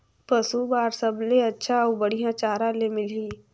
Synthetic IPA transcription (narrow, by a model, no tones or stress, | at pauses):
pəsubaːɾsəbleɐtːʃʰaɔːbəɽ̤ijãt͡ʃaːɾãlemɪliː